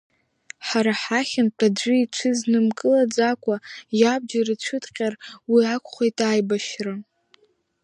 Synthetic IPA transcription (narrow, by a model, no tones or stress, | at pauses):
ħaɾaħaχʲɪnpʷʰʼad͡ʒʷɨiʈ͡ʂʷʰɨznɨmkʼɨlad͡zakʷʼajab̚d͡ʒarɨt͡ɕʷʰɨdʼqʲʼarwiakʷʰʼχʷojtʼajbaʃra